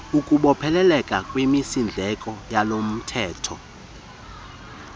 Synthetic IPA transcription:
ukʼuɓɔpʰɛlɛlɛkʼakʼwimisind͡ɮʱɛkʼɔjalom̩tʰɛːtʰɔ

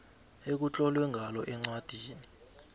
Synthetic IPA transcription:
ek̬ut͡ɬʼɔlwɛŋʱalɔʔɛŋ͡ǀwad̥ʱiːni

